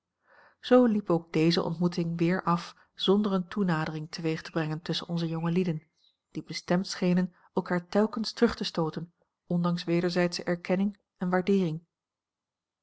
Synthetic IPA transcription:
z̥owlipowɡ̚d̥ejzə̰ʔɔ̰ntmutɪŋʋɪːɹʔɑf | z̥ɔndəɹəntunaːdərɪŋtʰəʋejχtəbrɛŋəntɵsə̰nɔnzəjɔŋəlidən | d̥ibəstɛmtsχejnən | ɛlˠkaːɹtɛlˠkənstərɵχtəstowtən | ɔndɑŋsʋeːdəɹzɛjtsəʔɛɹkɛnɪŋ | ɛnʋaːɹdɪːrɪŋ

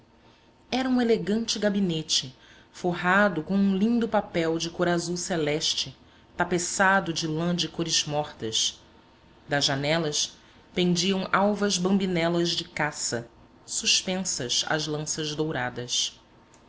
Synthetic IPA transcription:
ɛɾɐũeleɡɐ̃nt͡ʃɪɡabinet͡ʃɪ | foɦad̪ʊkõw̃ũlĩnd̪ʊpapɛwd͡ʒɪkoɾazuwselɛʃt͡ʃɪ | t̪apesad̪ʊd͡ʒɪlɐ̃d͡ʒɪkoɾɪzmɔχt̪ɐs | d̪ɐʒʒanɛlɐs | pẽŋd͡ʒiɐ̃w̃awvɐzbɐ̃mbinɛlɐzd͡ʒɪkasɐ | suʃpẽsɐza̰zlɐ̃sɐzd̪owɾad̪ɐs

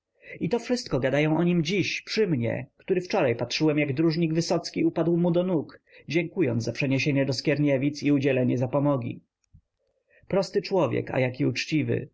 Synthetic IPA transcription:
it̪ɔfʂɘst̪̚kɔɡad̪ajɔ̃w̃ʔɔɲimd͡ʑiɕpʂɘmɲɛ̰kt̪uɾɘft͡ʂɔɾajpatʂɘwɛmjaɡd̪ɾuʐɲiɡvɘsɔt̪skʲiupad̪wmud̪ɔnuk | d͡ʑɛŋkujɔnd̪zapʂɛɲeɕeɲɛd̪ɔskʲjɛɾɲɛvʲit̪siud͡ʑɛlɛɲɛzapɔmɔɡʲḭ | pɾɔst̪ɘt͡ʂwɔvʲjɛ̰ka̰jakʲiut͡ʂt͡ɕivɘ̰

